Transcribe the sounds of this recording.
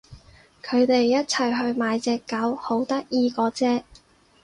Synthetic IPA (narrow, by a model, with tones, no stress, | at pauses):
kʰɵ˨˧ɥt̪e˨jːɐ˥t̚t͡sʰɐ˨˩jɦɵ˧ɥmaː˨˧jt͡sɛː˧kːaː˨˥who˨˥wt̪ɐ˥k̚jiː˧kɔː˨˥t͡sɛː˥